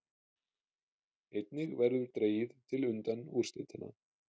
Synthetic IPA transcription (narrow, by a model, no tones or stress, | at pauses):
ejt̪̚nɪɣvɛɾðʏɾt̪ɾeːjɪðt̪ʰɪlʏnt̪anːu̥ːst̪ḛjt̪ʰɪnːa̰